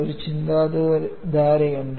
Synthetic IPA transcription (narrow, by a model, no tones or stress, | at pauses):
oɾut͡ɕind̪aːd̪d̪aːɾɐjuɳɖ